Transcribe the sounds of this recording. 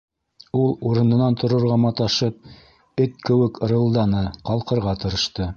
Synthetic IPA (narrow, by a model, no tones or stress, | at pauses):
ulˠuɾɤ̆nɤ̆nɑnt̪ʰŏɾŏɾʁɑmɑt̪ɑʃɤp̚ | ɵt̪̚kɘ̆wɘkɾɤ̆lˠd̪ɑnɤqɑlˠqɤ̆ɾʁɑt̪ɤ̆ɾɤ̆ʃt̪ɤ